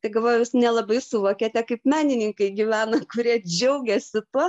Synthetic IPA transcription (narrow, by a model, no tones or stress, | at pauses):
t̪ɐɪɡɐlˠʋoːjjɪsnʲɛlˠɐbɐɪsʊʋoːkʲɛt̪ʲɛkɐɪpmʲæːnʲɪnʲɪŋkɐɪɡʲiʋʲæːnɐkʊɾʲiɛd͡ʒʲɛʊɡʲɛsʲɪt̪uɔ